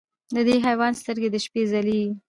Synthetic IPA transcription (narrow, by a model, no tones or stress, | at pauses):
d̪əd̪eɦajwɑnst̪əɾɡed̪əʃpezali